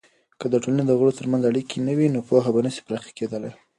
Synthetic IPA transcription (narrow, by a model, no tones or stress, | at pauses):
kəd̪əʈolaned̪əɣəɽot̪əɾmanzaɽikʰinəwinopɑɦabanəsi̥pɾɑxḁked̪əlaj